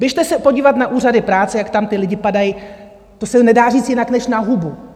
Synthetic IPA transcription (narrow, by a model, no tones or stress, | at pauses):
bjɪɛʃt̪ɛsɛpo̞ɟiːvat̪naʔuːradɪpɾaːt͡sɛjakt̪amt̪ɪlɪɟɪpadaji | t̪o̞sɛnɛdaːriːt͡sjɪnaknɛʃnaɦubu